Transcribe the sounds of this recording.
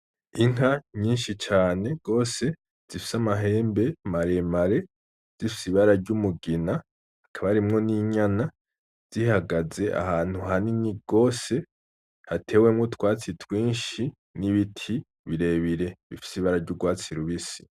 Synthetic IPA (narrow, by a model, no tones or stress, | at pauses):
iŋ̥ɦaɲiːnʃit͡ʃaːne̞ɡ̥o̞ːse̞ | z̥ifi̥samaɦe̞ːmbe̞maɾe̞maɾe̞ | z̥ifisiβaɾaɾɟumuɡinaː | kʰaβaɾimŋo̞niɲana | z̥ihaɡaze̞ʔa̰haːn̥huɦaniniɡ̥o̞ːse̞ | hatʰe̞ːwe̞mŋutwaːt͡sitwiːnʃi | niβitʰi | βiɾe̞ːβiɾe̞βifi̥siβaɾaɾɟuɡwaːt͡siɾuβisi̥